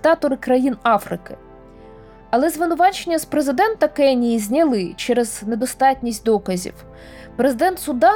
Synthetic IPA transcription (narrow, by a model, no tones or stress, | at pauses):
t̪ɑt̪ɔɾɪkɾɐjinɑfɾɪkɪ | ɐlˠɛzʋɪnʊʋɑt͡ʃenʲːɐspɾezɪd̪ɛnt̪ɐkɛnʲijizʲnʲɐlˠɪt͡ʃɛɾɛzne̞d̪ɔst̪ɑtʲnʲisʲtʲd̪ɔkɐzʲḭw | pɾezɪd̪ɛnt̪sʊd̪ɑ